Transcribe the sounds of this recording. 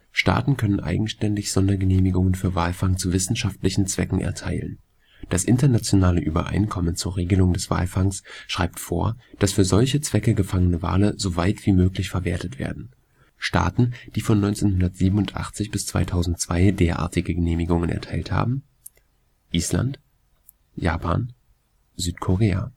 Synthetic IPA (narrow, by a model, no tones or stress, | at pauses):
ʃta̰ːtn̩kʰœnənʔa̰ɪɡŋ̩ʃtɛndɪçz̥ɔndɐɡəneːmɪɡʊŋənfyːɐvaːlfaŋt͡suvɪsn̩ʃaftlɪçn̩t͡sv̥ɛkŋ̩ʔɛ̰ɐtʰaɪlə̰n | d̥asʔɪntɐnat͡sjonaːləʔyːbɐ̰ʔa̰ɪnkʰɔmənt͡suːɐʁeːɡəlʊŋdɛsv̥a̰ːlfaŋsʃʁ̥a̰ɪp̚tfoːɐd̥asfyːɐzɔlçət͡sv̥ɛkəɡəfaŋənəva̰ːləzovaɪtv̥iːmøːklɪçfɛɐveːɐtətv̥ḛːɐdn̩ | ʃta̰ːtn̩d̥iːfɔnːɔʏnt͡seːnhʊndɐtz̥iːbm̩ʊntʔa̰χt͡sɪçb̥ɪst͡sv̥a̰ɪtʰaʊzn̩tt͡sv̥aɪdeːɐʔa̰ːɐtɪɡəɡəneːmɪɡʊŋənɛ̰ɐtʰaɪltha̰ːbm̩ | ʔiːsla̰nt | ja̰ːpʰa̰ːn | zyːtkʰoʁeːa̰